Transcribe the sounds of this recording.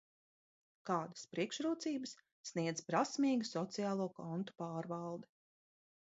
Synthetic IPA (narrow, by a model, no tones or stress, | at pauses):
kaːd̪ḁspɾiɛkʃɾuːt̪siːbəsː | niɛd̪zpɾasmiːɡusɔt̪sijaːlˠuːkɔnt̪u̥paːɾvalˠd̪ɛ